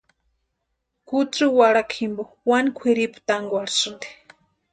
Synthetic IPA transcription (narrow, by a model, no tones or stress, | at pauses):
kut͡suwaɽakʰimbo | wankʷʰiɾipu̥t̪aŋɡwaɽisɨnd̪e̥